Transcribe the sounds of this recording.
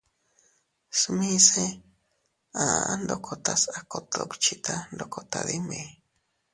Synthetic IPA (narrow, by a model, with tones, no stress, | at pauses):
smi˦se˦ | a˨and̪okʰot̪a˦sa˨kot̪o̰˧kt͡ʃʰit̪ʰa˦nd̪okʰot̪ad̪i˦me˧